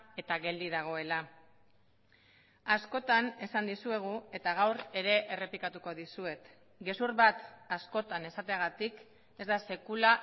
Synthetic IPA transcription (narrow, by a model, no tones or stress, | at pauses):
e̞t̪aɣe̞ld̪iðaɣ̞o̞e̞la | asko̞t̪ane̞sand̪isue̞ɣ̞ue̞t̪aɣ̞awɾe̞ɾe̞ʔere̞pikat̪uko̞ðisue̞t̪ | ɡe̞suɾβat̪asko̞t̪ane̞sat̪eaɣat̪ik | e̞zd̪ase̞kula